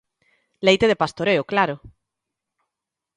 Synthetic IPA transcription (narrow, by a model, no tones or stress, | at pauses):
lejt̪eðepast̪oɾeoklaɾo